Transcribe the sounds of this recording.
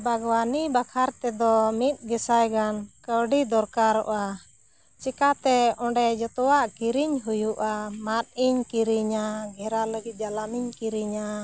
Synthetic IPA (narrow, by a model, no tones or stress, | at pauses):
bʱaɡwanibakʰaɾt̪ɛd̪ɔmit̪̚ˀɡɛsajɡankəwɖid̪ɔɾkaɾɔ̰ʔa | t͡ʃɛkat̪ɛɔ̃ɳɖɛd͡ʒɔt̪ɔwaʔkiɾiɲɦujuʔamat̪̚iɲkiɾiɲaɡʱɛɾaləɡit̪̚d͡ʒalamiɲkiɾiɲa